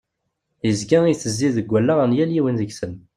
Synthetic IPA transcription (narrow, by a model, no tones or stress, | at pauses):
jəzɡæiθəzːiðəɡʷːælːaʁənjæljiwənðəɡsən